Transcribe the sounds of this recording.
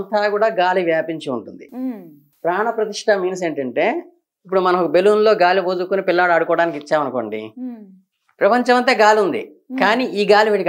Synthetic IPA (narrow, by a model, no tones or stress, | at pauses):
ɐnt̪aːkuːɽaːɡaːliʋjaːpiɲt͡ʃiuɳʈund̪i | pɾaːɳɐpɾɐt̪iʂʈʰɐmiːnɐs̬e̞ːɳʈɐɳʈe̞ː | ip̬ːuɽumɐnɐokɐbeluːnlo̞ːɡaːliʋoːd͡ʒukunipilːɐaːɽuɐɽukɔːɽaːnik̬it͡ʃːaːmɐnuko̞̰ːɳɖḭ | pɾɐpɐɲt͡ʃɐmɐnt̪e̞ːɡaːliund̪ḭ | kaːniːʔiːɡaːliʋiːʈik